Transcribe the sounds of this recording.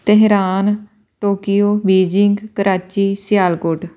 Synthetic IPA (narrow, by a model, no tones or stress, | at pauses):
t̪ɛɦɾaːn | ʈoːkijoːbiːd͡ʒɪŋɡkəɾaːt͡ʃiːsjaːlkʊʈ